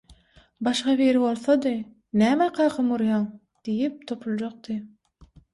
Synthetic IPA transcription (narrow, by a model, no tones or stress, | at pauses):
bɑʃqɑβeɾɪwolˠsɑd̪ɨ | næmæqʰɑqʰɑmuɾjɑŋ | d̪̥ijip̚t̪ʰopʰulˠd͡ʒoq̚t̪ɨ